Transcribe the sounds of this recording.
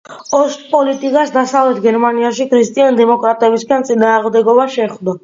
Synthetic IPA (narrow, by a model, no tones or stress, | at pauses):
ɔʃt̪ʼpʼɔlit̪ʼikʼasd̪asavlɛt̪ʰɡɛɾmaniaʃikʰɾist̪ʼiand̪ɛmɔkʼɾat̪ʼɛbisɡant̪sʼinaːʁmd̪ɛɡɔbaʃɛχd̪a